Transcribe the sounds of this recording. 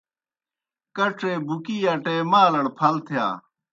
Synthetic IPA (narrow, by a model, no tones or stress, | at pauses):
kɐʈ͡ʂʰeːbukiːaːʈeːmaːlɐɽpʰɐlt̪ʰɪja̰ː